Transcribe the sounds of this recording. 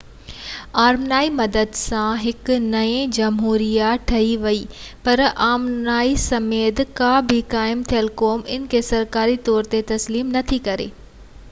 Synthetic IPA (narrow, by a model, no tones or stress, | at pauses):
aːɾmnaːimɐd̪əd̪sãɦɪknɐẽd͡ʑɐmɦuːɾijaʈʰɐiʋɐiːpɐɾaːmnaːisɐmeːt̪kabʱɪkaːɪmt̪ʰijəlkoːmɪnkʰesɐɾkaːɾit̪ɔːɾt̪et̪ɐsliːmnɐt̪ʰikɐɾḛː